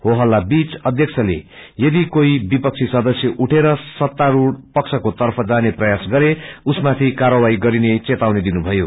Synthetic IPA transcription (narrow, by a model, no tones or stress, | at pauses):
hoɦʌlːabit͡sʌd̪ʱjʌksʰʌlḛjʌd̪ikoibipʌk̚t͡sʰisʌd̪ʌsjʌʔuʈʰeɾʌsʌt̪ːaɾuɽpʌksʰʌkot̪ʌrpʰʌd͡zaneprʌjasɡʌɾeusmat̪ʰikarʌwaiɡʌɾinet͡set̪awned̪inubʱʌjo